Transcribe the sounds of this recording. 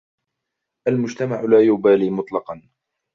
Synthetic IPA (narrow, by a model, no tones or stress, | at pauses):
ʔalmʊd͡ʒt̪amaʕlaːjʊbaːliːmʊt̪ˤlɑqɑn